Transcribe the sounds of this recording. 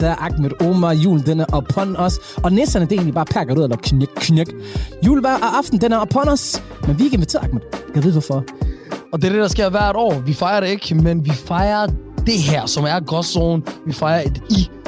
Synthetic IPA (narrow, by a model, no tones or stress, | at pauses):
d̥æɐʔɑ̈ɡ̥meɾ̥oːmɐjṵːld̥enæɐʔɒpʰɒnɒsɒ̽nesd̥ɐnəd̥ee̝ŋnlibɑːpʰæɡ̥ɐuðˠelɐkʰkʰːneɡ̥jṵːlʋæʔʔɑfd̥n̩d̥enæɐɒpʰɒnɒs | menʋie̝ɡ̥əenʋit͡sʰe̝̰ɐɑɡ̥̚med̥ˠkʰæʋeðˠʋɔfɒ | ɒd̥e̝ɐd̥ed̥ɑ̈sɡ̥e̝ɐ̰ʋæɐ̰ɾ̥ɒ̰ːʋifɑ̈ɪɐɾee̝ɡ̥menʋifɑ̈ɪɐd̥e̝ɦæɐ̰sɒmæɐɡ̥ɒsoːnʋifɑ̈ɪɐed̥i